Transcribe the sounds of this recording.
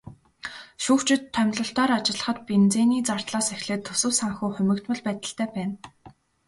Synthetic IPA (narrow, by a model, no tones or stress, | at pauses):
ʃuːxt͡ɕɪ̆t̪ʰːœmʲɮɞ̆ɬt̪ɔːɾat͡ɕɪ̆ɮə̥̆χə̆t̪̚pent͡seːniːt͡sar̥t̪ɮaːsexɮeːt̪ʰːɵsɘ̆wsaŋxuːχʊmʲɘ̆kt̪mə̆ɮpæːt̪ə̆ɬt̪æːpæːn